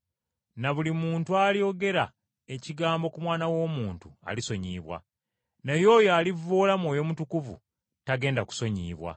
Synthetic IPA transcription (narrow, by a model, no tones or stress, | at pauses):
naβulimuːntualjo̞ɡe̞ɾa | eciɡaːmbo̞kumwaːnawo̞ːmuːntua̰liso̞ɲḭːβwa̰ | nejo̞ːjoalivoːlamwoːjo̞mutukuvṵ | taɡe̞ːndaku̥so̞ɲḭːβwa̰